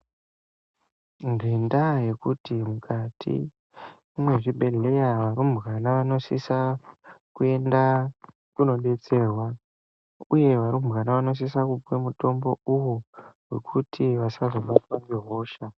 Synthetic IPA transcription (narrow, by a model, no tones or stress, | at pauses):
ŋɡe̞ndaje̞kutimukʰatʰḭ | mwe̞ʐiɓʱe̞ɮe̞jaʋaɾumɣanaʋano̞sisakue̞nda | kuno̞ɗe̞t͡se̞ːrwa | uje̞ʋaɾumɣanaʋano̞s̬isakupwemuto̞mbo̞uwowe̞kʰutʰiʋasazomokwanɡiɦo̞ːʃa